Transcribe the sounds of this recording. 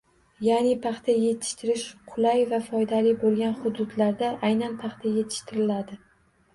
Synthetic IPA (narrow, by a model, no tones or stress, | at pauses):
janɪpʰɑχt̪ʰaje̞t̪ʰɪ̥ʃt̪ʰɪɾɪʃqʰʊlajvafɒjd̪alɪbolˠɡʲanχʊd̪ʊd̪laɾd̪aʔajnanpʰɑχt̪ʰaje̞t̪ʰɪ̥ʃt̪ɪɾɪlad̪ɪ